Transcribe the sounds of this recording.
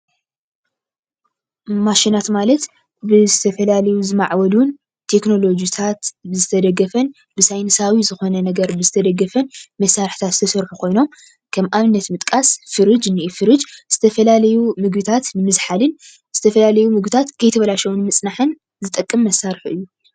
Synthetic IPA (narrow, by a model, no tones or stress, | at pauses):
maʃinat̪malɐt̪ | bɨzɨt̪ʰɐfɐlalɐjuzɨmaʕwɐlun | t̪ʰe̞kno̞lo̞d͡ʒit̪ʰat̪bɨzɨt̪ʰɐd̪ɐɡːɐfɐn | bɨsajnɨsawizɨxo̞nɐnɐɡɐɾbɨzɨt̪ʰɐd̪ɐɡɐfɐnmɐsːaɾɨħt̪ʰat̪zɨt̪ʰɐsɐɾħukʰo̞jno̞m | kʰɐmʔaβɨnːɐt̪mɨt̪ʼkʼasfɨɾɨd͡ʒnɨʔifɨɾɨd͡ʒz̥ɨt̪ʰɐfɐlalɐjumɨɡbɨt̪ʰat̪nɨmɨzħalɨn | z̥ɨt̪ʰɐfɐlalɐjumɨɡbɨt̪ʰat̪kʰɐjt̪ʰɐβɐlaʃɐwunmɨt͡sʼnaħɨn | zɨt̪ʼɐkʼːɨmːɐsːaɾħuʔɨjːu